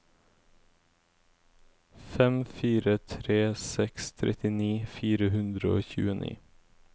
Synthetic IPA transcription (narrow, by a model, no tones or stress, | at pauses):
fɛmfiːɾət̪ʰɾeːsɛkst̪ʰɾʔɛt̪ɪniːfiːɾəhʉnd̪ɾəo̰ːçʉ̰ːənḭː